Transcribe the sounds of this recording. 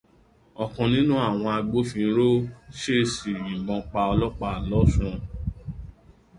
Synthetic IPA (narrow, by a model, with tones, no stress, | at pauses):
ɔ˨kɔ̃˨˧nĩ˦nũ˦a˦˨w̃ɔ̃˧a˧ɡ͡bo˨˦fĩ˧˦ɾo˦ʃe˦˨si˨jĩ˨ɡ͡bɔ̃˧k͡pa˧ɔ˧lɔ˦k͡pa˧˨lɔ˨˦sũ˦